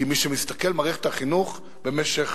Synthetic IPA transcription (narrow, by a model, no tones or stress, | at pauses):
imiʃemist̪ake̞lmaʁiχe̥t̪aχinuχ | be̞meʃe̞χ